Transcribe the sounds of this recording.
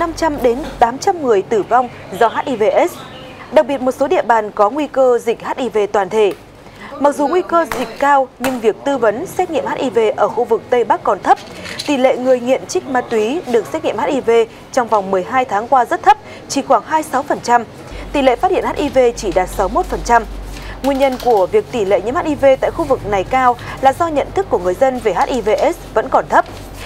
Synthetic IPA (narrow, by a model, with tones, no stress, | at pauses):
na˧mt͡ɕa˧mɗe˨˦nt̪aː˨˦mt͡ɕa˧mmɨ˨˩əjt̪ɨ˧˩va˧wŋ͡mzɔ˧ɦaː˦˥t̚ʔi˧ve˧ʔɛ˦˥s | ɗa˨˩k̚ɓi˨˩ət̚mo˨˩t̚so˨˦ɗḭ˧˨əɓaː˨˩nkɔ˨˦ŋwi˧kəː˧zï˨˩k̟̚haː˦˥t̚ʔi˧ve˧t̪waː˨˩nt̪ʰe˧˩ | ma˨˩k̚zu˨˩ŋwi˧kəː˧zï˨˩k̟̚kaː˧wɲɨ˧ŋvi˨˩ək̚t̪ɨ˧və˨˦nsɛ˦˥t̚ŋḭ˧əma˦˥ʔi˧ve˧ʔəː˧˩xu˧vɨ˨˩k̚t̪ə˧jɓa˦˥kːɔ˨˩nt̪ʰə˦˥p̚t̪i˨˩lḛ˧˨ŋɨ˨˩əjŋḭ˧˨ənt͡ɕï˦˥k̟̚maː˧˩t̪wi˨˦ɗɨ˨˩ək̚sɛ˦˥ŋḭ˧˨mhaː˦˥t̚ʔi˧ve˧ | t͡ɕɔ˧wŋ͡mva˨˩wŋ͡mmɨ˨˩əjɦaː˧jt̪ʰaː˨˦ŋkwaː˧zə˦˥t̚t̪ʰə˦˥p̚ | t͡ɕi˧˩xwaː˧˩ŋhaː˧jsa˨˦wfə˨˩nt͡ɕa˧m | t̪i˨˩lḛ˧˨˩faː˦˥hi˧˨n˦a˦˥ʔi˧ve˧t͡ɕi˧˩ɗaː˨˩t̚sa˨˦wmo˦˥t̚fə˨˩nt͡ɕa˧mŋwi˧ənɲə˧nku˧˩əvi˨˩ək̚t̪i˧˩lḛ˧˨ɲɨ̰˧˥ma˦˥ʔi˧ve˧t̪a̰ː˧˨jxu˧vɨ˨˩k̚na˨˩jkaː˧wlaː˨˩zɔ˧ɲə̰˧˨nt̪ʰɨ˦˥kːu˧˩əŋɨ˨˩əjzə˧nve˨˩haː˦˥t̚ʔi˧ve˧ʔɛ˦˥svə̰˧˥nkɔ˨˩nt̪ʰə˦˥p̚